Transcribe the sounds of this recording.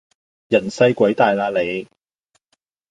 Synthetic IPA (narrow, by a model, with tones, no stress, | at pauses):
jɐ˨˩nsɐ˥jkʷɐ˨˥jt̪aː˨jlaː˧le˨˧j